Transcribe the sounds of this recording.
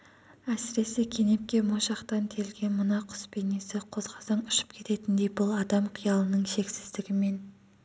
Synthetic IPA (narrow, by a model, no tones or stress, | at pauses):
æsɪɾe̞sɪkʲʰe̞ne̞p̚kʲe̞moʃɑqt̪ɑnt̪ʰe̞lɡʲe̞mʊnɑqʰʊ̥spʰenesɪqʰo̞zʁɑzɑɴʏʃɪ̥pkʲʰe̞t̪e̞t̪ɪnd̪e̞jbʊlˠɑd̪ɑmqʰijɑlˠənəɴʃe̞ksɪzd̪ɪɡʲɪme̞n